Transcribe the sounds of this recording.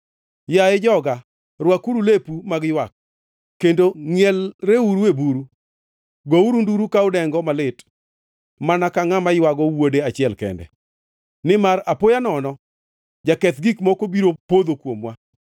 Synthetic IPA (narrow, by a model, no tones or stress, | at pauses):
jaed͡ʒɔɡa | ɾwakuɾulepumaɡjwak̚ː | endoŋjɛlɾeuɾuebuɾu | ɡouɾunduɾukaʊdɛŋɡɔmalɪt | manakaŋamajwaɡɔwodeat͡ʃɪɛlkɛ̰ndɛ̰ | nɪmaɾapojanɔnɔ | d͡ʒakɛt̪ɡikmɔkobiɾopod̪okwomwa